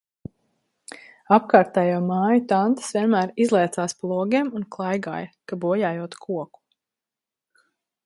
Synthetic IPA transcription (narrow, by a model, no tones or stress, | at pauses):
ap̚kaːɾt̪aːjawmaːjut̪ant̪ə̥sviɛnmæːɾizlˠɛjt̪saːsplˠuɔɡʲɛɛmunklˠajɡa̰ːjɐkabuɔjaːjuɔt̪kʰuɔku̥